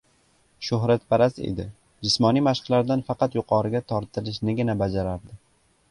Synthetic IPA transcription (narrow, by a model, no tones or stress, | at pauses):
ʃʊɦɾat̪̚paɾasḛd̪ɪ̰ | d͡ʒɪsmɒnimaʃqlaɾd̪anfɑqɑt̪jʊqʰɒɾɪɡʲat̪ʰɒɾt̪ʰɪlɪʃnɪɡʲɪnabad͡ʒaɾaɾd̪ɪ